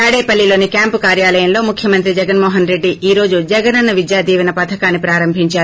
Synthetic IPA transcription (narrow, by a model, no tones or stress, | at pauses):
aːɽeːpɐlːilo̞ːnikjaːmpukaːɾjaːlɐjɐmlo̞ːmukʰjɐmɐnt̪ɾid͡ʒɛɡɐnmɔːɦɐnɾe̞ɖːiʔiːɾo̞ːd͡ʒud͡ʒɐɡɐnɐnːɐʋid̪jaːd̪iːʋɐnɐpɐt̪ʰɐkaːnːipɾaːɾɐmbʱiɲt͡ʃaːɾu